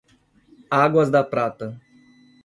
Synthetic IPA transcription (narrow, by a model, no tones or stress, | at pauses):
aɡwɐzd̪ɐpɾat̪ɐ